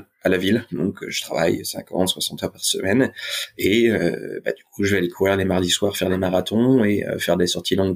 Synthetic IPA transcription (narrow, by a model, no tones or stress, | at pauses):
alavild̪ɔ̃kʰʒət̪χava̰jsɛ̰̃kɑ̃t̪swasɑ̃t̪œʁpaʁsə̰mɛneø̰ba̰d̪ykʰuʒəvɛlekʰuvʁiʁlemaʁd̪iswaʁfɛʁlemaʁat̪ʰɔ̃eø̰fɛʁd̪esɔʁt̪ʰilɔ̃